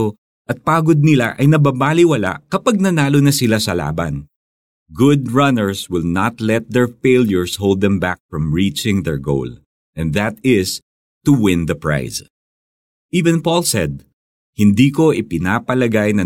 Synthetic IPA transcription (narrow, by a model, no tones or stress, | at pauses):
o | ʔɐt̪̚paːɡod̪̚nɪlaʔɐjnɐbabaːlɪwɐla̰ʔkɐpaɡ̚nɐnaːlonɐsɪlasɐla̰ːbɐ̰n | ɡʊd̪̚ɹɐnɛɹswɪlnɐt̪lɛt̪̚d̪ɛɹfejljʊɹsholˠd̪ɛ̃mbak̚fɹɐ̃mɹit͡ʃɪ̃ŋd̪ɛɹɡo̰wl | ʔɛ̃nðɐt̪ɪs | t̪ʊwɪ̃nd̪ɐpɹa̰js | ʔiːvɛ̃npɔlsɛd̪̚ | hɪnd̪iːko̞ʔɪpɪnaːpɐlɐɡajnɐ